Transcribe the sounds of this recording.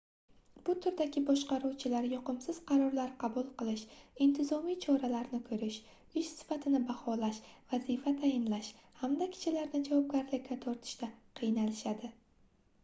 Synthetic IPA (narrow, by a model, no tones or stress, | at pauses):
b̥ʊt̪ʰʊɾd̪aɡʲɪbɒʃqɑɾuwt͡ʃʰɪlaɾjɒqɨmsɪz̥qʰɑɾɒɾlaɾqʰɑbulˠqɨlˠɪʃɪnt̪ʰɪzɒmijt͡ʃʰɒɾalaɾnɪkʰɵɾɪʃ | ʊʃsɪ̥fat̪ʰɪnɪbahɒlaʃvazifat̪ʰajɪnlaʃhamd̪akʲʰɪ̥t͡ʃʰɪlaɾnɪd͡ʒavɒb̚ɡʲaɾlɪk̪ʲat̪ʰoɾt̪ʰɪ̥ʃt̪aqʰijnalɪʃad̪ɪ